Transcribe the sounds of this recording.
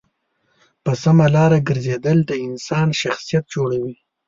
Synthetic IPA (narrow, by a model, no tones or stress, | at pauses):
pəsamalɑɾaɡəɾzed̪əld̪əɪnsɑnʃaxsijat̪̚d͡ʒoɽawi